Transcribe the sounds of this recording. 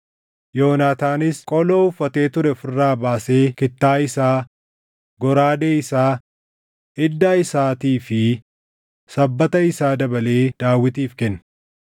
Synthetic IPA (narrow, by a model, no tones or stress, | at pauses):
jo̞ːnaːt̪aːnɪskʼɔlo̞ːʊfːɐt̪e̞ːt̪ʊɾɛfɪrːaːbaːse̞ːkɪt̪ːaːɪsaː | ɡɔɾaːd̪eːɪsaː | ɪd̪ːaːɪsaːt̪iːfɪ | sɐbːɐt̪ɐɪsaːd̪ɐbɐle̞ːd̪̥aːwːɪt̪iːfkɛnː